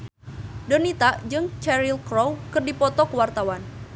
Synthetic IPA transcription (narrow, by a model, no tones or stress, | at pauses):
dənit̪aʔd͡ʒɨŋt͡ʃɛɾilkɾɔwkɨrdipɔt̪ɔkəwart̪awan